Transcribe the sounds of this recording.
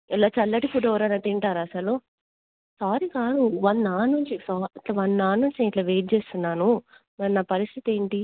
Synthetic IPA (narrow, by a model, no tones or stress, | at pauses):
ɛlaːt͡ʃɐlːɐʈipuɖɐʋɐɾɐnɐt̪iɳʈaːɾɐsɐlu | saːɾikaːd̪uʋɐnːaːnuɲt͡ʃisɔːɐʈlaʋɐnːaːnːuɲt͡ʃiːiʈlaːʋeːʈ̚t͡ʃeːst̪unːaːnu | mɐnaːpɐɾist̪ʰit̪e̞ːɳʈi